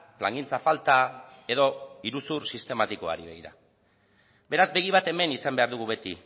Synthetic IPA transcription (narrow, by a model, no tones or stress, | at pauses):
pla̰ŋɡint͡safalt̪ae̞ðo̞iɾusursist̪e̞mat̪ikoa̰ɾiβeɣiɾa̰ | be̞ɾazbe̞ɣ̞iβat̪e̞me̞nisambe̞aɾðuɣ̞uβe̞t̪i